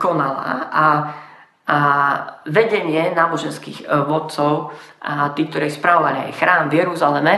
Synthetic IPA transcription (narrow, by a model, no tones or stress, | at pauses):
kɔnala̰a | ʋɛɟɛɲɪɛnaːbɔʒɛnskḭːɣʋɔt̪̚t͡sɔʊ | t̪iːk̚t̪ɔɾɛːspɾaʋɔʋalɪa̰jxɾaːmvjɛɾuzalɛmɛ